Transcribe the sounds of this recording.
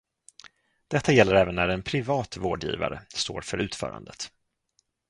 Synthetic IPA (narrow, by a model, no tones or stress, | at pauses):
d̪̥ɛt̪ʰːajɛlːəɾɛːvənːæɾɛnpʰɾɪvɑːt̪voːɖjḭːva̰ɾə̰st̪oːɾfœɾʔʉ̟ːt̪fœ̰ːɾa̰nd̪ət̪